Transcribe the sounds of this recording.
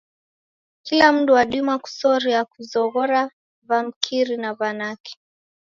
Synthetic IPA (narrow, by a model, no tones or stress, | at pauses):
kilam̩duwaɗumaku̥sɔɾiakuzɔɣɔɾa | vam̩kʰiɾinavanaki̥